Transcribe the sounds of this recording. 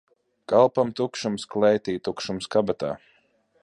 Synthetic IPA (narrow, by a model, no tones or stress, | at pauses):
kalˠpamt̪ukʃumsklɛjt̪iːt̪ukʃumskabat̪a̰ː